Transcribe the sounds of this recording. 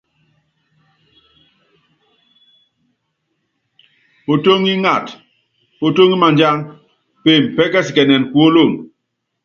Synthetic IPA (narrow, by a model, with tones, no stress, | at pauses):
po˨to˦ŋi˦ŋa˦˨t | po˨to˦ŋi˦ma˨ɲd͡ʒa˦ŋ | pe˦˨mpɛ˦kɛ˦si˨kɛ˨nɛ˨nku˨o˦lo˦˨n